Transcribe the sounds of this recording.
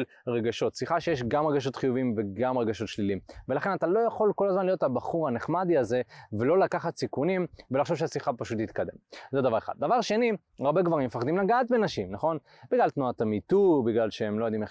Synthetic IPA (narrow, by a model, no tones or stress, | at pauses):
l | ʁeɡaʃo̞t̪siχaʃejeʃ̬ɡamʁeɡaʃ̬o̞t̪χijuvimve̞ɡamʁeɡaʃo̞t̪ʃlilimve̞laχe̞nat̪alo̞jaχo̞lko̞lazmanlijo̞t̪habaχuʁhaneχmad̪iaze̞velo̞lakaχat̪sikunimvelaχʃovʃ̬easiχapaʃut̪hit̪kad̪e̞̰mzed̪avaʁeχa̰d̪̚davaʁʃe̞ni | aʁbe̞kvaʁimefaχd̪imlaɡaːt̪̚benaʃimnaχo̞n | biɡlalt̪nuat̪amit̪ubiɡlalʃeemlojad̪ime